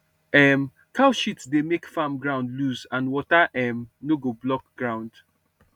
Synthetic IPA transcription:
ɛm | kaʊʃitsdemekfãmɡɹãʊ̃ndluzãnwɔtaʔɛmnoɡoblɔkɡ̥ɹãʊ̃nd̥

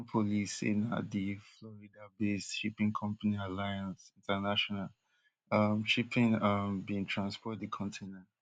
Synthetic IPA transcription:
pʰolisḛna̰diflɔɹidabest͡ʃipĩŋkʰɔ̃mpanialajãnsĩntanaʃɔnal | ʌmʃipĩnʌmbĩŋtʰɹãnspɔt̚dikʰɔ̃ntʰenãnt

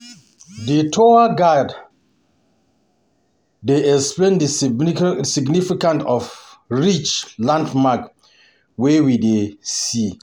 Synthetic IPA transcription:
ditʰɔaɡad | eɛksplẽndi | siɡnifikãntɔf | ɹit͡ʃlãndmak | wɛwidesi

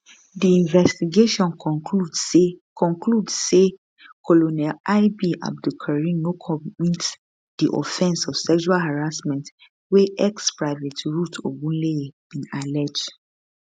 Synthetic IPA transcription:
diĩnvɛstiɡeʃɔ̃nkɔkudkʰɔ̃ŋkʰludse | kʰolonɛlaɪbiʔa̰b̚dukʰaɹĩnnokʰɔmĩt | d̥iʔɔ̰fɛ̃nsɔfsɛkʃualhaɹasmɛ̃nt | weʔɛkspɹaɪvetʰɹutʰo̰ɡũleb̥ĩnalɛd͡ʒd

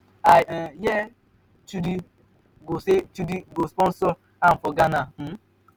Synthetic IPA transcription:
ajɛ | t͡ʃudi | ɡoset͡ʃudiɡospɔn̩sɔ | am̩fɔɡanam̩

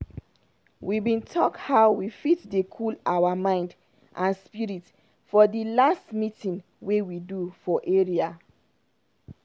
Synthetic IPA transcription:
wibĩntʰɔkhaʊwifitdekʰulawamãɪ̃nd | ʔãnspiɹit | fɔdilastmitĩŋ | wewidufɔʔeɹia

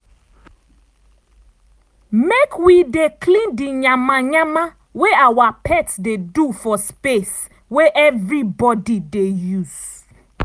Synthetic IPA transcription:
mekwidekʰlĩndiɲãmaɲãma | weawapʰɛtsdedufɔspes | weʔɛvɹibɔdidejuz̥

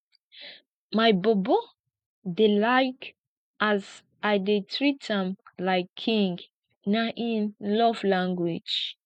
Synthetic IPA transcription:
majbɔbɔ | delaɪk | az | ajdetʰɹitãmlaɪkʰːĩŋɡ | naʔĩnlɔvlãŋɡwid͡ʒ

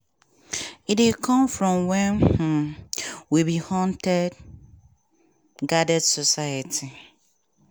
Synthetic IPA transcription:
idekʰɔ̃mfɹɔ̃mwɛ̃n̩ | wibihɔ̃ntɛd | ɡadɛdsɔsajatʰi

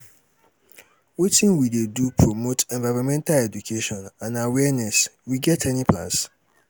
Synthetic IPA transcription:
wetʰĩnwidedupʰɹomotʰɛ̃ɱvaɪɾɔ̃mɛ̃ntʰalɛdukʰeʃɔ̃nãnawɛnɛswiɡɛtʰɛnĩpʰlã̰s

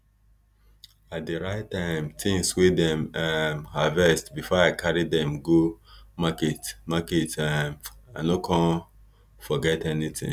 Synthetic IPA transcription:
at̚deɹaɪtãɪ̃mtʰĩŋswedɛ̃mamhavɛstbifɔaɪkʰaɹidɛ̃mɡomaketmaketamanokʰãn | fɔɡɛtɛnitḭ̃

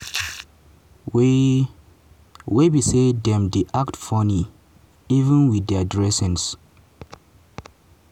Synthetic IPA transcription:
w | webisedɛ̃mdiʔaktfɔni | ivə̃nwidɛadɹɛsɛ̃ns

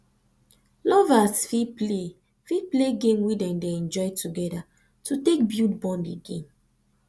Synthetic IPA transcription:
lɔvasfiple | fipleɡẽmwidɛ̃mdeɛ̃nd͡ʒɔjtʰuɡɛda | tʰutek̚bjutbɔ̃ndiɡḛ̃m

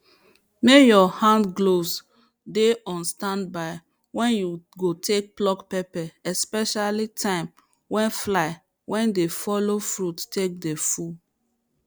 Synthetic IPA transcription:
mejɔhãndɡlos | deɔ̃nstãndbaɪ | wɛ̃njuɡotʰek̚plɔkpɛpɛɛspɛʃalitʰãɪ̃m | wɛ̃nflaɪ | wʔɛ̃ndefɔlofɹuttek̚defu

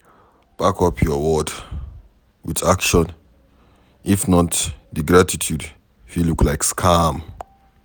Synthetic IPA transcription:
b̥akʰɔpʰjɔwɔd | witakʃɔ̃n | ifnɔtdəɡɹatʰitʰjud | filuklajkskʰam

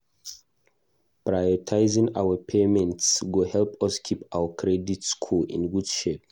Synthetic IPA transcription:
pɹajɔtʰaɪzĩŋa̰wəpʰemɛ̃ntsɡohɛlpɔskʰipawəkʰɹɛditskʰulḭ̃nɡudʃep

